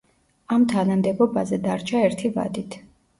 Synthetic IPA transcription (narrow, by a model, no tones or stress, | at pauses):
amt̪ʰanamd̪ɛbɔbazɛd̪aɾt͡ʃʰaɛɾt̪ʰiva̰d̪it̪ʰ